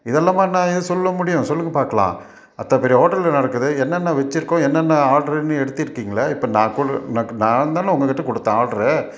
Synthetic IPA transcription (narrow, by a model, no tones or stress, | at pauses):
ɪðɛlːaːmaːnãːɪðɯsɔlːɐmʊɽɪjʊ̃sɔlːɯŋɡɐpaːɾkɐɭã̰ː | ɐt̪ːɐpɛɾɪjɐɦoːʈɐlːnɐɽɐkːɯðɯɛnːɛnːɐʋɛt͡ʃːɪɾɯkːõɛnːɛnːɐaːɾɖɐɾɛnːɯɛɽɯt̪ːɪɾɯkːiːŋɡɐɭɐɪpːɐnãːkʊɽnɐnãːnd̪aːnɐʊŋɡɐkːɪʈːɐkɔɽɯt̪ːãːaːɾɖɐɾɛ